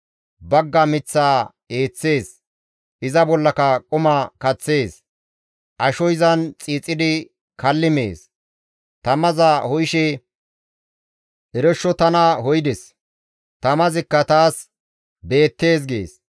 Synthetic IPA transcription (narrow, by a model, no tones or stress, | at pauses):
bɐɡːɐmɪt͡sːaː | e̞ːt͡sːe̞ːs | ʔɪzɐbɔlːɐkɐkʼʊmɐkɐt͡sːe̞ːs | ʔɐʃɔjzɐnt͡sʼiːt͡sʼːɪd̪ɪ | kɐlːɪmḛːs | t̪ɐmɐzɐhɔjʃɛ | ʔɛɾɛʃːɔt̪ɐnɐhɔjd̪ɛs | t̪ɐmɐzɪkːɐt̪aːs | be̞ːt̪ːe̞ːs̬ɡḛːs